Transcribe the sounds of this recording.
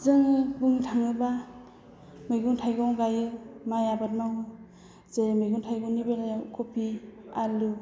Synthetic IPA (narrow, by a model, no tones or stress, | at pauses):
zɯŋɯbuŋtʰaŋɯba | mɯjɡuntʰajɡɔwɡajɯmajabat̚mawɯ | zemɯjɡuntʰajɡɔwnibelajakʰɔpʰialu